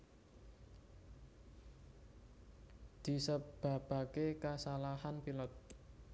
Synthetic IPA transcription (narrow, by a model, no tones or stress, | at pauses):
d̪̥i̤səb̥a̤b̥a̤kekasalahanpilɔt̪̚